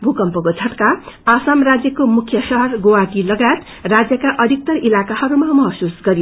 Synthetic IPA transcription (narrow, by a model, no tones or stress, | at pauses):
bʱukʌmpʌkot͡sʰʌʈkaasamrad͡zjʌkomukʰjʌsʌɦʌrɡowaʈilʌɡajet̪ | rad͡zjʌkaʔʌd̪ʱik̚t̪ʌrilakahʌɾumamʌɦʌsusɡʌɾijo